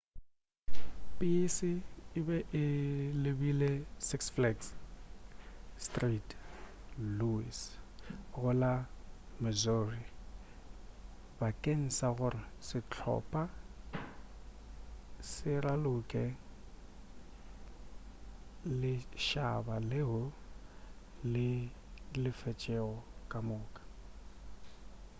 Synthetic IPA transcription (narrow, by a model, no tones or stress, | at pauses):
pʼɪsɪɪbɛʔɪlɪbilɛsɪksflɛks | stʼrit | luḭs | ɣʊlamɛzori | bakʼen̩saɣʊrɪsɪt͡ɬʰɔ̰pʼa | sɪralʊkʼɛ | lɪʃabalɪɦʊ | lɪ | lɪfɛt͡ʃʼɛɣɔkʼamʊːkʼḁ